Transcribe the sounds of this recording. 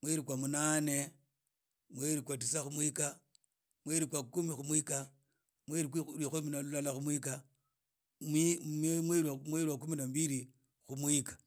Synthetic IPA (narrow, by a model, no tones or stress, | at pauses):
mweɾikwamunane | mweɾikwat̬isaxumwika | mweɾikwakumixumwika | mweɾikixominalulalaxumwika | mimweamweɾiwakuminambiɾi | xumwikḁ